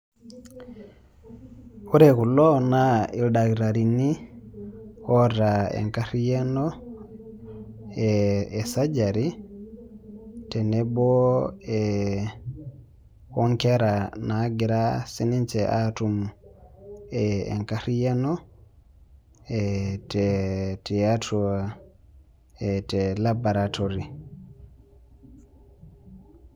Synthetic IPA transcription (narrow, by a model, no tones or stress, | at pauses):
uɾɛkulɔnaildakiɾaɾinːi | hɔɾaɛ̰ŋkaɾijɛnɔ | ɛːsad͡ʒaɾi | tɛnɛbɔɛ | hɔŋkɛɾanaɡiɾasinint͡ʃɛʔatum | ɛ̰ŋkaɾijanɔ | ɛtɛtiatɔa | ɛtɛlabaɾatoɾi